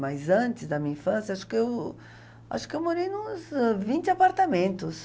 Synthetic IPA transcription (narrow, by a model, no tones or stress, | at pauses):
majzɐ̃nt̪ɪzd̪ɐmĩɲɐĩfɐ̃sjɐaʃʊ̥kɪew | a̰ʃʊ̥kɪewmoɾejnʊ̃zvĩnt̪ɪapaɾt̪amẽnt̪ʊs